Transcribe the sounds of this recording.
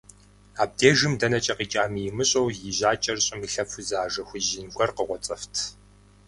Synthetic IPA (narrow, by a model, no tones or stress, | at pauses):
aːb̚deːʒɨmdɐnɐt͡ʃʼɐqiːt͡ʃʼaːmijɪmɨɕʼɐwjɪʑaːt͡ʃʼɐrɕʼɪmiɬɐfʰʊzaːʒɐxʷʊʑɪnɡʷɔrqəʁʷɔt͡sʼɐftʰ